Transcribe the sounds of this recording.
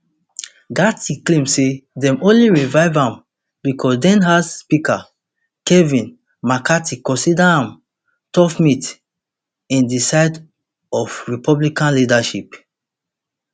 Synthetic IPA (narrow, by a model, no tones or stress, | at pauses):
ɡatiklẽmsedɛ̃mõnliɹivaɪvãm | bikʰɔsdɛ̃nɦazspika | kɛvĩn | makatikɔ̃nsidaãm | tɔfmit | ĩndisaɪd | ɔfɹipʰɔblikãnlidaʃip